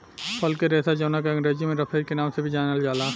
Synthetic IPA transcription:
pɐlkeɾeːsad͡ʒɐːnak̬eɐ̃ŋɾeːzimẽɾɐpʰeːɾkenaːmsebʱid͡ʒaːnəld͡ʒaːlaː

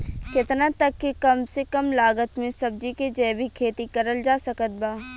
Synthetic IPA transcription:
kɪt̪nat̪ɐkːikɐmsekɐmlaːɡət̪mẽsɐb̚d͡ʒiked͡ʒɛːbʱikʰeːt̪ikɐɾəld͡ʒaːsɐkət̪̚baː

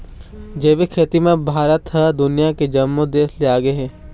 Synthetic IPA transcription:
d͡ʒeːbekʰeːt̪imẽbʱaːɾət̪ɦəd̪ʊnɪjaked͡ʒɐmːud̪eːsleaːɡəeɦɛ̃ː

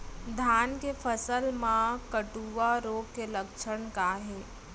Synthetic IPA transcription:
d̪ʱaːnkefʰəsəlmãkəʈuːʋaɾoːɡkelɐkʃʰəɳkaɦɛː

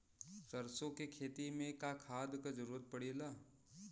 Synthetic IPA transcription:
kɐɾsõkekʰeːt̪imẽkakʰaːd̪kad͡ʒəɾuːɾət̪̚pɐɽilaː

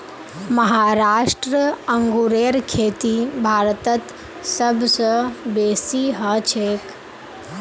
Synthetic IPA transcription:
məɦaːɾaːʂʈɾəɐŋɡuɾeːɾkʰeːt̪ibʱaːɾt̪ət̪ | səbʱsə̃beːsiɦət͡ʃʰeːk

